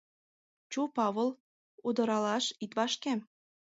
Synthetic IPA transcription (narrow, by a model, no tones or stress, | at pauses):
t͡ɕupɑβəl | ud̪ɤ̆ɾɑlɑʃit̪βɑʃkem